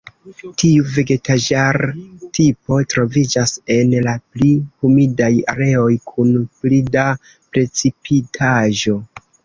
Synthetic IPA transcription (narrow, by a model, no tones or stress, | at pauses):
tʰiuve̞ɡe̞tad͡ʒaɾtipo̞tɾo̞vid͡ʒase̞nlaplihumidaja̰ɾe̞o̞jkʰunplida | pɾe̞t͡sipʰitʰaʒo̞